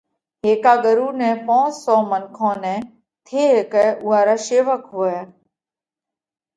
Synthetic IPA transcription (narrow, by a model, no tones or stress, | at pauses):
ɦeːkaːɠəɾuːnɛ̃ːpõːssɔːmənkʰõːnɛ̃ː | t̪ʰeːɦekɛːʔʊːɦaːɾaːʃeːʋəkɦoːɛː